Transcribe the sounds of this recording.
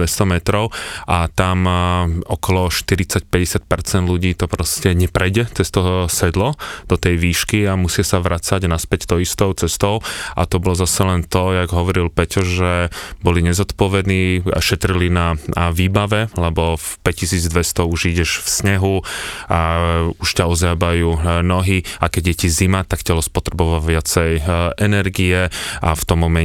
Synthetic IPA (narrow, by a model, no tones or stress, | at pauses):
ɛst̪ɔmɛt̪ɾɔʊʔat̪amɔkɔlɔʃt̪iɾit͡sac̚pɛɟɛsɪac̚pɛɾt͡sɛnd̪luɟiːt̪ɔpɾɔscɛɲɛpɾɛjɟɛt͡sɛst̪ɔɦɔsɛd̪lɔd̪̥ɔt̪ɛjʋiːʃkiamusɪasaʋɾʔat͡saɟnaspɛct̪ɔist̪ɔʊt͡sɛst̪ɔʊʔa̰t̪ɔbɔlɔzasɛlɛnt̪ɔjaɡɦɔʋɔɾilpɛcɔʒɛbɔliɲɛzɔt̪pɔʋɛd̪niːa̰ʃɛt̪ɾilinaʋiːbaʋɛlɛbɔfpɛccisiːd͡zd̪ʋɛst̪ɔuʒiɟɛʃfsɲɛɦuauʃcaɔzjabajuːnɔɦiakɛɟjɛcizimat̪akcɛlɔspɔt̪ɾɛbɔʋaʋɪat͡sɛjɛnɛɾɡiɛʔaft̪ɔmːɔmɛ